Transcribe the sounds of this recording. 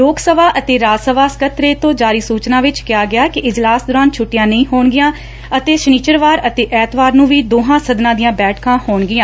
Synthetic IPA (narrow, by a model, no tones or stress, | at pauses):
loːksəʋaːʔət̪eːɾaːsəʋaːskət̪ɾeːt̪õːd͡ʒaːɾiːsuːt͡ʃnãːʋɪt͡ʃkɪjaːɡɪaːkɪʔɪd͡ʒlaːsd̪ʊːɾaːnt͡ʃʰʊʈːɪjãːnəĩːɦoːɳɡɪjãː | ət̪eːʃniːt͡ʃəɾʋaːɾət̪eːʔɛːt̪ʰʋaːɾnũːʋiːd̪oːɦãːsəd̪nãːd̪ijãːbɛːʈʰkãːhoːɳɡɪjãː